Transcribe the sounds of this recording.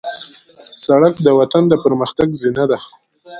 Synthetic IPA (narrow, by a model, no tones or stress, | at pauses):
saɽakd̪əwat̪and̪əpəɾməxt̪aɡzinad̪a